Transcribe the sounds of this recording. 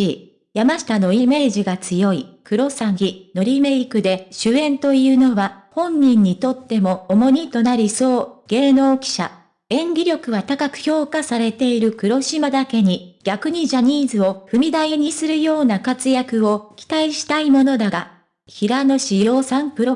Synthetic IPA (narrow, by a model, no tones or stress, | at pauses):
i | jamaɕi̥t̪ano̞ime̞ːʑiɡat͡sɨjo̞ikɯ̟ɾo̞sãŋɡʲino̞ɾʲime̞ikɯ̟d̪e̞ɕɨẽ̞nt̪o̞iɯ̟ːno̞βa | hõ̞ɲ̟ːĩɲ̟ːit̪o̞t̪ːe̞mo̞ːmo̞ɲ̟it̪o̞naɾʲiso̞ːɡ̥e̞ːno̞ːkʲi̥ɕa̰ | ẽ̞ŋɡʲiɾʲo̞kɯ̟βat̪akakɯ̟̥ço̞ːkasaɾe̞t̪e̞iɾɯ̟kɯ̟ɾo̞ɕimad̪ake̞ɲ̟iɡ̥ʲakɯ̟ɲ̟iʑaɲ̟iːzɨo̞ɸɯ̟mʲid̪aeɲ̟isɨɾɯ̟jo̞ːnakat͡sɨjakɯ̟o̞kʲi̥t̪aiɕi̥t̪aimo̞no̞d̪aɡa | çiɾano̞ɕijo̞ːsãmpɯ̟ɾo